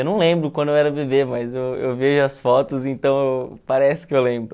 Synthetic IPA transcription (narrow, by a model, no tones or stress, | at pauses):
ewnɐ̃w̃lẽmbɾʊkwɐ̃nd̪ʊewɛɾɐbebemɐzewḛwveʒʊɐsfɔt̪ʊzẽnt̪ɐ̃w̃ewpaɾɛsɪ̥kɪewlẽmbɾʊ